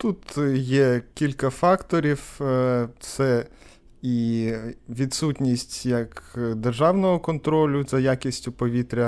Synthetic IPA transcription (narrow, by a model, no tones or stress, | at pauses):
t̪ut̪jɛkʲilʲkɐfɑkt̪ɔɾʲiw | t̪sɛ | i | ʋʲid̪sutʲnʲisʲtʲjɐkd̪erʒɑwnɔɦɔkɔnt̪ɾɔlʲʊzʲɐjakʲisʲtʲʊpɔʋʲit̪ɾʲɐ